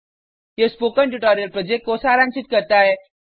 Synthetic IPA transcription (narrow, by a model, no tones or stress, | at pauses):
ɦespokəɳʈuʈɔɾijəlpɾɔd͡ʑek̚kːosaɾãnsit̪̚kəɾt̪ae